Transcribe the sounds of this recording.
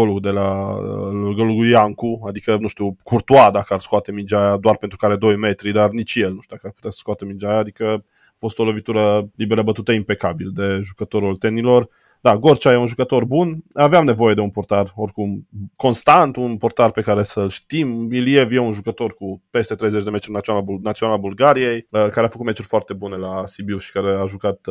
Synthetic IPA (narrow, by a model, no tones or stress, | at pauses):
oluɡd̪e̞laluɡəluɡujaŋkuad̪ikənũʃt̪iuwkurt̪uad̪akarskoat̪emind͡ʒajad̪oarpent̪ɾukaɾe̞d̪o̞jme̞t̪ɾid̪arnit͡ʃjelnuʃt̪uakarpu̥t̪easə̥skoat̪əmind͡ʒajaːd̪ikə | afo̞st̪olo̞vit̪uɾəlibeɾəbət̪ut̪əimpe̞kabild̪e̞ʒukət̪o̞ɾolt̪e̞nilo̞r | d̪aɡo̞rt͡ʃajeunʒukət̪o̞rbunaveamne̞vo̞je̞d̪e̞unport̪aro̞rkumko̞nst̪ant̪unport̪arpe̞kaɾe̞səlʃt̪imilie̞vjeunʒukət̪o̞rkupe̞st̪e̞t̪ɾejzet͡ʃd̪eme̞t̪ɾʲinaonanat̪sioalabulɡaɾije̞jəkaɾeafəkut̪me̞t͡ʃurʲfoart̪e̞bune̞lasibiuʃi̥kaɾe̞aʒukat̪